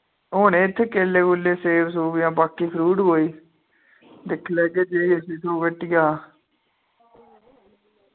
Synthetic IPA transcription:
ɦoːɳẽːt̪ʰːeːkeːleːkʊlːeːseːʋsuːbjãːbaːkiːpʰɾuːɖɦoːiː | d̪ɪkʰːlɛːkeːd͡ʒeːiːəsĩːt̪ʰoːʋəʈːɪjaː

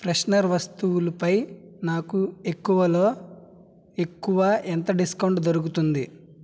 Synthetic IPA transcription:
pɾesnɐɾʋɐst̪uwulɐpɐjnaːkue̞kːuʋɐlo̞ː | e̞kːuʋɐʔent̪ɐɖiskɐwɳʈd̪oɾukut̪und̪i

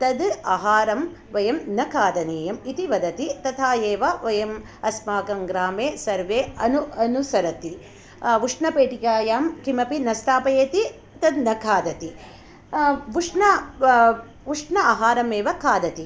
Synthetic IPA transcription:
t̪ɐd̪aɦaːɾɐm | ʋɐjɐmnɐkʰaːd̪ɐneːjɐmit̪iʋɐd̪ɐt̪it̪ɐt̪ʰaːjeːʋɐʋɐjɐm | ɐsmaːkɐŋɡɾaːmeːsɐɾʋeːɐnuɐnusɐɾɐt̪i | ʋuʂɳɐpeːʈikaːjaːmkimɐpinɐst̪aːpɐjeːt̪i | t̪ɐd̪nɐkʰaːd̪ɐt̪i | ʋuʂnɐ | ʋuʂɳɐaɦaːɾɐmeːʋɐkʰaːd̪ɐt̪i

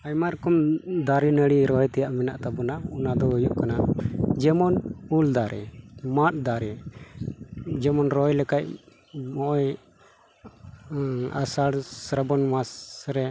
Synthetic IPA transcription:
ajmaɾəkɔmd̪aɾinəɽiɾɔjt̪ɛjaʔmɛnaʔt̪abɔnaunad̪ɔujuʔkanad͡ʒɛmɔnuld̪aɾɛmat̚d̪aɾɛ | d͡ʒɛmɔnɾɔjlɛkac̚ | mɔʔɔj | a̰saɽsɾabɔnmasɾɛ

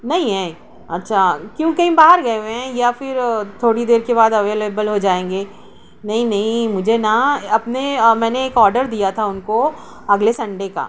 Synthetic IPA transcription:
nɐɦĩɦɛ̃ː | ɐtːʃʰaːkjõːkɐɦĩbaːɦəɾɡɐeeɦɛ̃jafɪɾt̪ʰoːɽid̪eːɾkebaːd̪ɐʋeːleːbəlɦod͡ʒaːẽːŋɡeː | nɐɦĩnɐɦĩmʊd͡ʒʱenaɐpnemɛ̃ːneːkɔːɾɖəɾd̪ijat̪ʰaʊnko | ɐɡlesɐ̃ɳɖeka̰ː

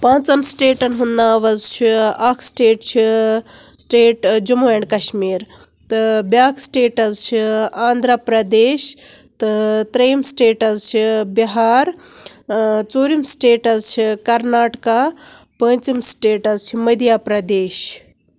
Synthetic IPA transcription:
pãːnt͡sɐmsʈeːʈɐnɦunːaːʋɐzt͡ʃʰiɐkʰsʈeːʈt͡ʃʰi | sʈeːʈd͡ʒumuɐɳɖkɐʃmiːɾ | t̪ɨbʲaːkʰsʈeːʈɐzt͡ʃʰiaːnd̪ʱɾapɾɐd̪eːʃ | t̪ɨt̪ɾɐjimsʈeːʈɐzt͡ʃʰibiɦaːɾ | t͡soːɾimsʈeːʈɐzt͡ʃʰikɐɾnaːʈka | pə̃ːnt͡simsʈeːʈɐzt͡ʃʰimɐd̪ʱijaːpɾɐd̪eːʃ

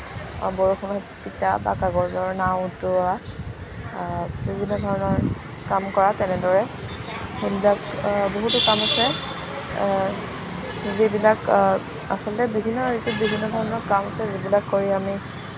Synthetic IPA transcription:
boɹuxɔnɔjtitaba̰kaɡɔɹzɔɹnawtʊa | bibʱinːɔdʱɔɹɔnɔɹ | kamkɔɹatɛnɛdɔɹɛ | xejbilakboɦutʊkamasɛ | zebilak | a̰sɔlɔtɛbibʱinːɔitubibʱinːɔdʱɔɹɔnɔɹkamasɛzibilakːoɹiami

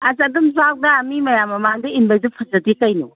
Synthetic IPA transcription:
ɐzadumzak̚dɐːmimɐjamːɐmaŋdɐinbajzupʰɐzɐtikajnṵ

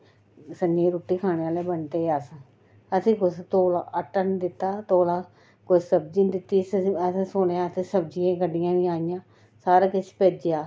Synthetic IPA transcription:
sənd͡ʒẽːɾuːʈːiːkʰaːɽeːaːleːbəɳt̪eːəs | əsĩːkʊst̪oːlaːʔəʈːənd̪ɪt̪ːaːt̪oːlãː | kʊt͡ʃsəb̚d͡ʒĩːnd̪ɪt̪ːiːsəsẽsʊɽeãːt̪eːsəb̚d͡ʒijãːkəɖɪjãːnĩːaːɪjãː | saːɾaːkɪt͡ʃʰpeːd͡ʒejaː

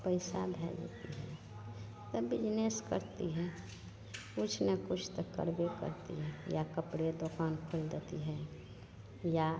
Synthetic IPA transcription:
pəɪsabʱɛ̰ːd͡ʒət̪ḭɦɛ | t̪əbɪd͡ʒneskəɾt̪iɦɛ | kʊt͡ʃʰnəkʊt͡ʃʰt̪əkə̰ɾbekə̰ɾt̪ḭɦɛjakəpɽed̪okaːnkʰʊld̪et̪iɦɛ | ja

